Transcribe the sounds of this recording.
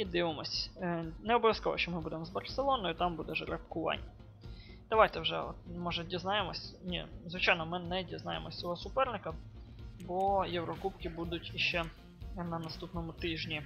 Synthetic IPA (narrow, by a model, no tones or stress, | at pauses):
id̪ɪʋɪmɔsʲnɛɔbɔʋʲjɐskɔʋɔ̰ʃt͡ʃɔmɪbud̪emzbɐrselˠɔnɔjʊt̪ɑmbud̪ɛʒeɾɐpkʊʋɑ̰nʲːɐ | d̪̥ɐʋajt̪ɛwʒɛ̰ɔt̪mɔʒɛdʲiznɑjemɔsʲnʲḭzʋɪt͡ʃɑjnɔmɪnɛdʲiznɑjemɔsʲɔɦɔsʊpɛrnɪkɐbɔjɛwɾɔkupkɪbud̪ʊtʲiʃt͡ʃɛ | nɐnɐst̪upnɔmʊt̪ɪʒnʲi